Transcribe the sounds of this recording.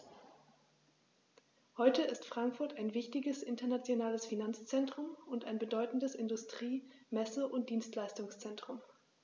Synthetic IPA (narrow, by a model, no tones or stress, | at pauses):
hɔʏtəɪstfʁ̥aŋkfʊɐtaɪnvɪçtɪɡəsʔɪntɐnat͡sjonaːləsfinant͡st͡sɛntʁ̥ʊmʊntaɪnbədɔʏtn̩dəsɪndʊstʁ̥iːmɛsəʔʊnt̚d̥iːnstlaɪstʊŋst͡sɛntʁ̥ʊm